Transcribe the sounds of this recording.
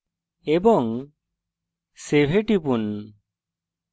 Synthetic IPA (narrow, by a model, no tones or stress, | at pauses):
ebɔŋ | sebʱeʈipun